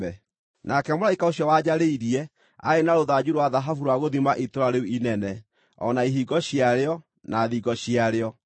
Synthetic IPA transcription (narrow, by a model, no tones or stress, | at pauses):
ɛ | nʔakɛmoɾaikaoɕjɔwad͡ʑaɾeiɾiɛ | a̰enaɾoðad͡ʑuɾwaðaɦafuɾwaɣoðimaʔetoɾaɾeuinɛnɛ | ɔ̰naiɦiɡɔɕjaɾeɔ | naðiɡɔɕiaɾeɔ